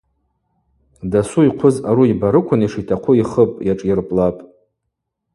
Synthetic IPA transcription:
dasuiqʷʰʊzaɾuibaɾɨkʷʰʊniʂitʰaqʷʰʊiχəpʼjaʈ͡ʂʼirpʼlapʼ

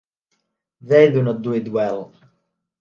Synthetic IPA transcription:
ðeɪdunɔt̚d̪uɪtwɛlˠ

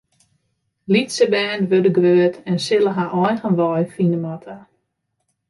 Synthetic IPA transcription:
litsəbɛːnʋødəɡʋøːətɛnsɪləɦaʔɔjɣənʋɔjfinəmatʰa

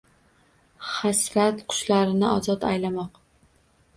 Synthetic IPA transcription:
χasɾat̪qʰʊ̥ʃlaɾɪnɪɒzɒt̪a̰jlamɒq

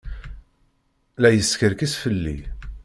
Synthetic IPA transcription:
læjəskəɾkisfəlːḭ

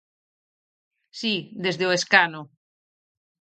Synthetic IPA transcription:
sid̪ezðeoeskano

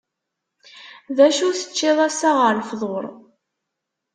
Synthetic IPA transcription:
ðæʃuθə̥t͡ʃːɪðˤæsaʁəɾfðˤoɾˤ

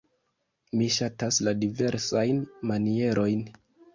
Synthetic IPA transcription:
miʃatasladive̞ɾsajnmanie̞ɾʔo̞jn

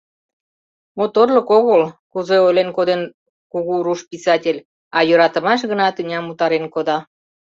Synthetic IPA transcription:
mot̪orləkoɣəlkuzeojlenkod̪en | kuɣuɾuʃpisɑtʲelʲ | ɑjøɾɑt̪əmɑʃ̬ɣənɑt̪inʲɑmut̪ɑɾenkod̪ɑ

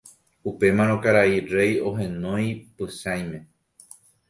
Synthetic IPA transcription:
upe̞mãɾ̃õkaɾaiɾe̞jo̞ɦẽ̞nõj̃pɨʃaj̃mẽ̞

